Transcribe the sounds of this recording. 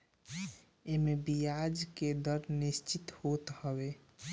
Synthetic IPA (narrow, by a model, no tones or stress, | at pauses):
emebijad͡ʒked̪əɾnist͡ʃit̪hot̪həbe